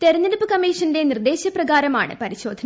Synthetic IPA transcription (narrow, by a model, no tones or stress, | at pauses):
t̪eɾɐnilupːɨkɐmiːʂɐnde̞nird̪e̞ːɕɐprɐɡaːɾɐma̰ːɳɨ̰pɐɾiɕo̞ːd̪ʱɐn